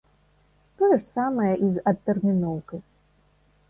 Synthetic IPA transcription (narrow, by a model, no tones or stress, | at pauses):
t̪ɔjɐʂsamɐjɐʔizɐt̪ːɛrmʲinɔwkɨ